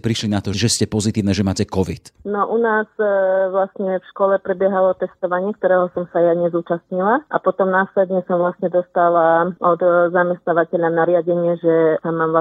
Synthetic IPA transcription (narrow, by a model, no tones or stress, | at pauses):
pɾiʃlinat̪ɔʒɛscɛpɔzit̪iːʊnɛʒɛmaːcɛkɔʋit̪nɔʔunaːzʋlasɲɛfʃkɔlɛpɾɛbjɛɦalɔt̪ɛst̪ɔʋaɲɪɛk̚t̪ɔɾɛːɦɔsɔmsajaɲɛzuːt͡ʃast̪ɲilaʔa̰pɔt̪ɔmnaːslɛd̪ɲɛsɔmʋlast̪ɲɛd̪ɔst̪alaʔɔd̪zamɛst̪naʋacɛʎanaɾɪaɟɛɲɪɛʒɛsamaːmla